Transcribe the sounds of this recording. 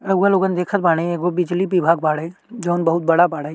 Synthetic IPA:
ɐualoːɡənd̪eːkʰət̪̚baːɽ̃eeːkobɪd͡ʒlibibʱaːɡpaːɽed͡ʒoːnbɐɦʊt̪̚bɐɽapaːɽe

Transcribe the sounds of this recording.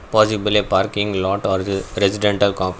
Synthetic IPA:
pɔːsɪblepaːɾkɪ̃ŋɡlɔːʈɔːɾd̪ɾɛsɪɖɛ̃ɳʈɐlkɔ̃ːf

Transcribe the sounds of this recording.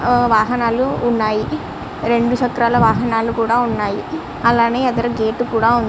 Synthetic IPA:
ʋaːɦɐnaːluːnːaːji | ɾe̞ɳɖuʃɐkɾaːlɐʋaːɦɐnaːlukuːɽaːunːaːji | ɐlaːne̞ːɐd̪ɐɾɐɡeːʈːukuːɽaːund̪

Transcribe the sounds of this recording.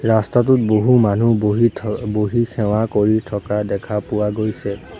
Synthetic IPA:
ɹastat̬ʊt̚boɦumanuiboɦikʰɛw̃akoɹitʰɔkadɛkʰapʊwaɡojsɛ

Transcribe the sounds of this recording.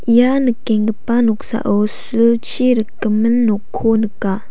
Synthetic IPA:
janəkːɛŋɡəpanɔk̚sa̰ʔosəlt͡ʃʰiɾəkːəmənːɔkʰːonəka

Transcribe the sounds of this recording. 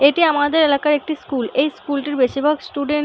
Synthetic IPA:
eʈiamad̪eɾelakaɾek̚ʈiskulejskulʈiɾbeʃibʱoksʈuɖeɳ

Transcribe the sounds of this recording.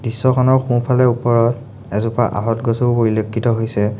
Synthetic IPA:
b̥isːɔkʰɔnɔɹxũpʰalɛupɔɹɔt | ɛzupa̰ʔa̰ɦɔtɡɔsupoɹilokʰːitɔɦojsɛ

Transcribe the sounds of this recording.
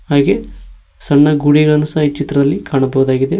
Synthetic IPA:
ɦaːɡe̞ | sɐɳːɐɡuːɽiɡɐɭɐnːusɐɦɐit͡ʃit̪ɾɐd̪ɐlːikaːɳɐbɐɦud̪aːɡid̪e̞

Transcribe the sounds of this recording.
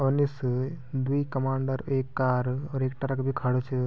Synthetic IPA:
ɔnis | d̪uikɐmaːɳɖəɾeːkːaːɾɔːɾeːk̚ʈɐɾɐkbʱikʰɐɽot͡ʃʰe

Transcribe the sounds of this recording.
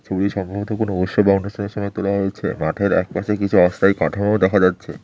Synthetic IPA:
t͡ɕʰobliʃɔmbʱobʱot̪okonooʃːobaonːoʃʈʰoneɾʃɔmɔet̪olaɦoet͡ɕʰḛmaʈʰeɾɛ̰k̚pat͡ɕʰekit͡ɕʰuɔst̪ʰajkaʈʰamowd̪ɛkʰad͡ʑatːɕʰḛ

